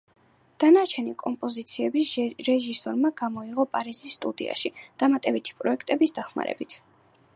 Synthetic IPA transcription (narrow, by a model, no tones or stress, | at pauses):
d̪̥anaɾt͡ʃʰɛnikʼɔmpʼɔzit̪sʰiɛbisɾɛʒisɔɾmaɡamɔiʁɔpʼaɾizisːt̪ʼud̪ḭa̰ʃid̪̥amat̪ʼɛbit̪ʰi̥pʼɾɔɛkʰt̪ʼɛbisd̪aχma̰ɾɛ̰bit̪ʰ